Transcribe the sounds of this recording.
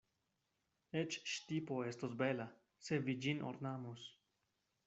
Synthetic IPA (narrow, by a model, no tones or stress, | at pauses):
et͡ʃʃtipoest̪osbela | sevid͡ʒino̰ɾnamos